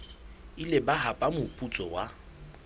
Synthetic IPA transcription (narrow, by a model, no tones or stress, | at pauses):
ilɪbaɦapʼamʊpʼut͡sʼɔwa